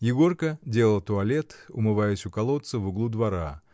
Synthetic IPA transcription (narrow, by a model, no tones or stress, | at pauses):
jɪɡo̞rkədʲe̞lˠəlˠt̪ʊɐlʲe̞t̪ʊ̰mɨvajɪsʲʊkɐlˠot̪sɨvʊɡlˠud̪vɐɾa